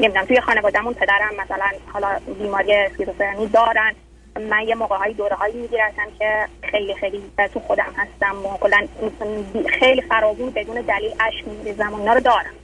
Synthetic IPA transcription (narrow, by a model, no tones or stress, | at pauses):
nemid̪unæmt̪ʰujexɒːne̞vɒːd̪æmunpʰe̞d̪æɾæmːæsælænhɒːlɒːbiːmɒːɾijeskit̪ofeɾniːd̪ɒːɾæn | mænjemoːɣeɦɒːjid̪oːɾeɦɒːjiːmiːɟiːɾæt̪ʰæmcʰexe̞jlixejlit̪ʰuxo̞d̪æmhæst̪æmokʰolːænbxejlifæɾɒːɡuːnbe̞d̪uːned̪æliːʔæʃkmiɾizæmoiːnɒːɾod̪ɒːɾæm